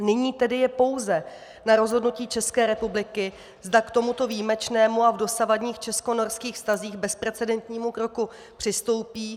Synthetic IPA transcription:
nɪɲiːt̪ɛdɪjɛpo̞wzɛ | naɾo̞zɦo̞dnuciːt͡ʃɛskɛːɾɛpublɪkɪ | zdakt̪o̞mut̪o̞viːmɛt͡ʃnɛːmuavdo̞savadɲiːxt͡ʃɛsko̞no̞ɾskiːxfst̪aziːxbɛspɾɛt͡sɛdɛnt̪ɲiːmukɾo̞ku | pr̝̥ɪst̪o̞wpiː

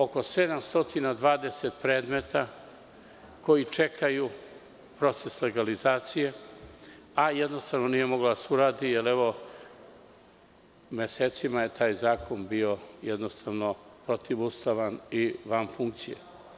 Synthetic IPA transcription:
o̞ko̞se̞d̪amst̪o̞t̪inad̪ʋaːd̪e̞set̪pɾeːd̪me̞t̪a | ko̞jit͡ʃe̞kʰaju | pɾo̞t̪se̞sle̞ɡalizaːt̪sije | ajed̪no̞st̪aʋno̞nije̞mo̞ɡlod̪asuɾaːd̪ijeleʋo̞ | meseːt̪simaje̞t̪ʰaːjzaːkʰo̞nbio̞jed̪nost̪aʋno̞pɾot̪ʰiʋust̪aʋaniʋamfuŋk̚t̪sijḛ

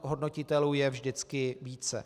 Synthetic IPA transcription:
ɦo̞dno̞cɪt̪ɛluːjɛvʒdɪt͡skɪviːt͡sɛ̰

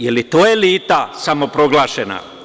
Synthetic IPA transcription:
jelit̪oːjeliːt̪asamo̞pɾo̞ɡlˠaːʃena̰

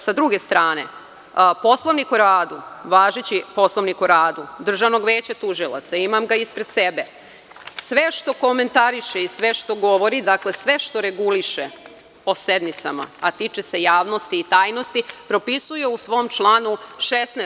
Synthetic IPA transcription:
sad̪ɾuɡe̞st̪ɾaːne̞̰ | po̞slˠoʋnikuɾaːd̪uʋaːʒet͡ɕipo̞slˠo̞ʋnikuɾaːd̪ud̪r̩ʒaʋno̞ɡʋeːt͡ɕat̪uʒilˠa̰t̪saimamɡaispɾe̞d̪sebe | sʋe̞ʃt̪o̞ko̞me̞nt̪aɾiʃeisʋe̞ʃt̪o̞ɡo̞ʋo̞ɾid̪akle̞sʋe̞ʃt̪o̞ɾeɡuliʃe | o̞se̞d̪nit̪sama̰at̪it͡ʃese̞jaːʋno̞st̪iːt̪aːjno̞st̪ipɾo̞pisujeusʋo̞ːmt͡ʃlˠaːnuʃest̪ne

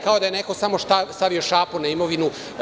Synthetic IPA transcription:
kaod̪ajene̞ko̞samo̞ʃt̪ast̪aʋio̞ʃaːponaimo̞ʋinu

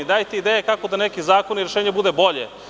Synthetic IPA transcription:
id̪aːjt̪eid̪eːjekakod̪anekizaːkoniɾeʃeːɲebud̪ebo̞ʎḛ

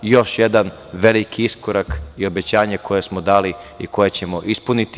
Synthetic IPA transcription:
jo̞ʃje̞d̪an | ʋe̞likiiskoɾakio̞be̞t͡ɕaːɲeko̞je̞smo̞d̪aːliiko̞je̞t͡ɕe̞mo̞ʔispunit̪i

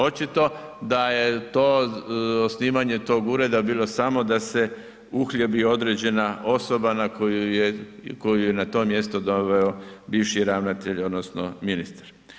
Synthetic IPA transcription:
o̞t͡ʃit̪o̞d̪aje̞t̪o̞ːosniːmaɲe̞t̪o̞ːɡuɾe̞d̪abiːlo̞samo̞d̪ase | uxʎebio̞d̪ɾed͡ʑe̞naʔo̞so̞banakojujeko̞jujenat̪o̞ːmje̞st̪od̪oʋeobiːʋʃiɾaʋnat̪eʎo̞d̪nosno̰minist̪ḁɾ

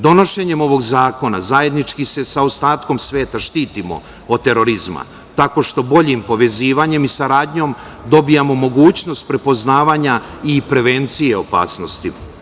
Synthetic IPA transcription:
d̪o̞no̞ʃe̞ɲe̞mo̞ʋo̞ɡzaːko̞na̰zaje̞d̪nit͡ʃkise̞saost̪aːt̪ko̞msʋe̞ːt̪aʃt̪iːt̪imo̞̰ | od̪̚t̪e̞ɾo̞ɾizma̰ | t̪ako̞ʃt̪o̞bo̞ʎimpo̞ʋe̞ziːʋaɲe̞misaɾaːd̪ɲo̞m | d̪o̞bijamo̞mo̞ɡuːt͡ɕno̞st̪̚pɾe̞po̞znaːʋaɲa | ipɾe̞ʋe̞nt̪sijeopa̰ːsno̞st̪i

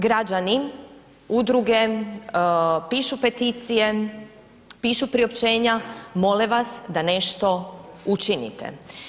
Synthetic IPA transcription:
ɡɾad͡ʑani | ud̪ɾuɡe̞ | piːʃupe̞t̪iːt̪sije | piːʃupɾiopt͡ʃe̞ːɲamo̞leʋasd̪ane̞ʃt̪o̞ut͡ʃinḭt̪ḛ

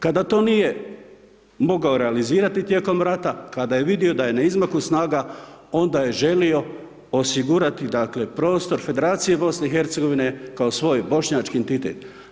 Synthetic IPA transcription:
kad̪at̪o̞ːnije̞ | mo̞ɡao̞ɾe̞aliziːɾat̪it̪je̞ːko̞mɾat̪akad̪aje̞ʋid̪io̞d̪aje̞naizmakusnaːɡao̞nd̪aje̞ʒe̞lio̞ | osiɡuɾat̪id̪akle̞pɾo̞ːst̪o̞ɾfe̞d̪e̞ɾaːt̪sije̞bo̞sne̞ixe̞ɾt̪se̞ɡo̞ʋine̞kaosʋo̞ːjbo̞ʃɲaːt͡ʃkient̪it̪e̞̰t̪

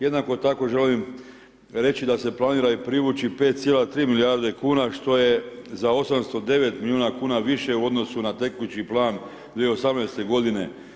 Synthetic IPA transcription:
je̞d̪nako̞t̪ako̞ʒe̞lim | ɾe̞t͡ʃid̪ase̞plˠaniːɾaipɾiʋut͡ʃipe̞ːt̪t̪sjelat̪ɾiːmilijaɾd̪ekuːnaʃt̪o̞je̞zao̞samst̪o̞d̪e̞ʋe̞t̪milʲiuːnakuːnaʋiʃe̞uo̞d̪no̞sunat̪e̞kuut͡ʃiplˠaːn | d̪ʋieo̞samnajst̪e̞ɡo̞d̪ine̞

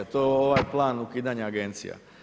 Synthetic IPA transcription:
at̪oeoʋajplˠaːnukiːd̪aɲaːɡe̞nt̪sḭja̰

